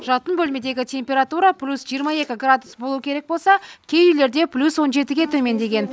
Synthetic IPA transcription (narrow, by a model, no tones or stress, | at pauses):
ʒɑt̪ənbɵlme̞d̪e̞ɡʲɪt̪ʰʲe̞mpʲe̞ɾat̪uɾɑplʲusʒijəɾmɑe̞kʲɪɡrad̪usbolˠuwəkʲeɾe̞k̚bolˠsɑkʲʰe̞jʏjle̞ɾd̪e̞pʰlʲuswo̞nʒe̞t̪ɪɡʲe̞t̪ʰɵme̞nd̪e̞ɡʲe̞n